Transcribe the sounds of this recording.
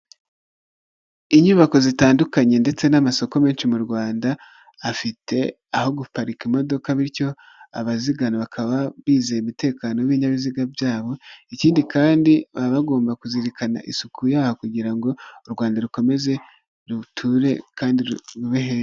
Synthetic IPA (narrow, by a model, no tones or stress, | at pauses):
iɲuːβako̞zitaːndukaɲe̞nde̞t͡se̞namaso̞ko̞me̞ːnʃimuɾɡwaːndaː | fitʰe̞ | aho̞ɡupaɾikimo̞do̞kaβiɾco̞ | aβaziɡanoβakʰaβaβiːze̞imite̞ːkaːno̞βiɲaβiziɡabjaːβo̞iciːndikaːndiβaβaɡo̞ːmbakuziɾikana̰ʔisukʰujaːhokuɟiɾaŋɡo̞uɾɡwaːndaɾuko̞me̞ze̞ | ɾutʰuɾe̞kaːndiɾuβeɦe